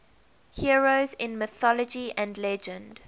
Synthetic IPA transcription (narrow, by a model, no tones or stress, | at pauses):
hiəɹozɪ̃nmɪθɔləd͡ʒiʔə̃ndlɛd͡ʒə̃nd̥